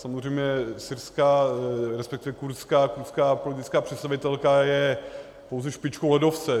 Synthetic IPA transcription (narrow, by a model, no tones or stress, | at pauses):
samozrɛjmɲɛsɪɾskaːɾɛspɛkt̪ɪvɛkuɾskaːkuɾskaːpolɪt̪ɪt͡sskaːpr̥ɛt̪st̪avɪt̪ɛlkajɛ | po̞wzɛʃpɪt͡ʃkowlɛdo̞ft͡sɛ